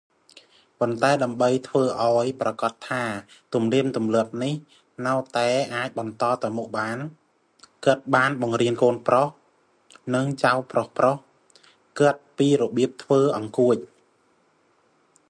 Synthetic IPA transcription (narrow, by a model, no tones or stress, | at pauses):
pont̪aɛɗaəmɓəjt̪ʰʋəːʔaɔjprɑkɑt̪ʰːaːt̪umniəmt̪umlɨ̆əp̚nih | naət̪aɛʔaːc̚ɓɑnt̪ɑːt̪awmuk̚ɓaːn | kɨt̪̚ɓaːnɓɑŋriənkoːnproh | nɨŋt͡ɕawprohproh | kɨt̪̚piːɾɔɓiəp̚t̪ʰʋəːʔɑŋkuəc̚